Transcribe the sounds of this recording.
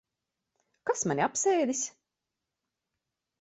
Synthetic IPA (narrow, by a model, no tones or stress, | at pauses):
kasmaniapseːd̪is